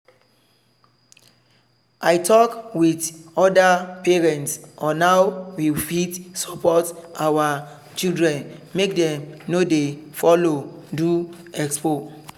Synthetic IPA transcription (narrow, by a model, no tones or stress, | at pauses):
ʔajtʰɔkwitɔdapɛɹɛ̃ntsɔnawwifitsɔpɔtʔawa | t͡ʃildɹɛ̃nmek̚dɛ̃mnodefɔlodu | ɛkspo